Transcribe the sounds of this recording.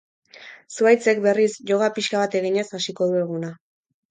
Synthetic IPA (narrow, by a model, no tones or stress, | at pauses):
suajt͡se̞k̚be̞risʝo̞ɣapiʃkaβat̪e̞ɣiɲe̞sasiko̞ðue̞ɣuna